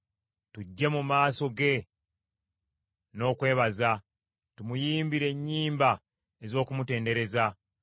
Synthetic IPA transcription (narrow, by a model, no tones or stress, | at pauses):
tuɟːe̞mumaːso̞ɡe̞ | no̞ːkwe̞ːβaza | tumujiːmbiɾe̞ɲːiːmba | e̞zo̞ːkumute̞ːnde̞ɾe̞za